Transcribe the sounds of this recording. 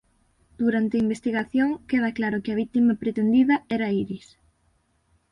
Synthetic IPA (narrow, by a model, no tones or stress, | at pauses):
d̪̥uɾant̪ɪɐimbest̪iɣaθjoŋkeð̞ɐklaɾʊkɪɐβit̪imɐpɾet̪end̪iðɐɛɾaiɾis